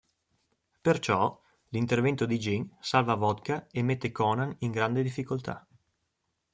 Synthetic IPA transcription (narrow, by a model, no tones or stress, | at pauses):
pert͡ʃɔ | lint̪ervɛnt̪od̪id͡ʒiŋsalvavɔd̪kaemːet̪ːekɔnaniŋɡɾand̪ed̪ifːikolt̪ʰa̰